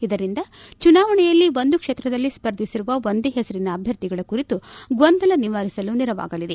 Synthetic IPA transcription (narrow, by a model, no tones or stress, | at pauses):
id̪ɐɾind̪ɐt͡ʃunaːʋɐɳɛjɐlːiʋo̞nd̪ukʂeːt̪ɾɐd̪ɐlːispɐɾd̪ʱisiɾuʋɐʋond̪eɦɛsɐɾinɐːbʱjɐɾt̪iɡɐɭɐkuɾit̪uɡʋond̪ʱɐlɐniʋaːɾisɐluniɾɐʋa̰ːɡɐlid̪e̞